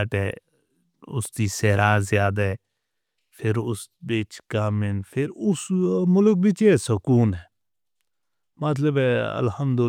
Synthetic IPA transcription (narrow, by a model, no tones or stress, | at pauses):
ʈɛː | ʊ̰sd̪iːseːɾaːzɪjaːd̪aɦɛː | pʰɪɾʊsbɪt͡ʃkaːmɪnpʰɪɾʊsmʊlk̬̚bɪt͡ʃeːsəkuːnɦɛː | mət̪ləbɛə̰lhəmd̪ʊ